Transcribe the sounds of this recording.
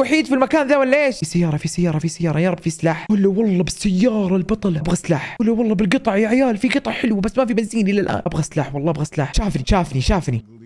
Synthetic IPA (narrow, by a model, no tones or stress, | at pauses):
waħiːd̪filmakaːnðaːwalːaʔeːʃsajːɑːɾˤɑfisajːɑːɾˤɑfisajːɑːɾˤɑjɑːɾˤɑbfislaːħʊlːawɑlˤːɑbɪsːajːɑːɾˤɑlbɑt̪ˤɑlbɣaslaːħʊlːawɑlˤːɑbɪlɡɨt̪ˤɑʕjaʕjaːlfiɡɨt̪ˤɑʕħɪlwbasːmafibɪnziːnʔɪlːalʔa̰ːnʔabɣaslaːħwɑlˤːɑʔabɣaslaːħʃaːfniʃaːfniʃaːfni